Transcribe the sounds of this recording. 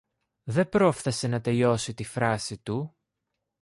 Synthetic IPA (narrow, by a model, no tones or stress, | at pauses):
ðe̞bɾo̞fθese̞nɐt̪e̞ʎo̞sit̪ifɾɐsit̪u